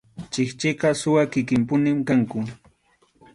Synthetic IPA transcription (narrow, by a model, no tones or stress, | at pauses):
t͡ʃɪkt͡ʃɪqɑsʊwakɪkɪmpʊnɪmkaŋkʊ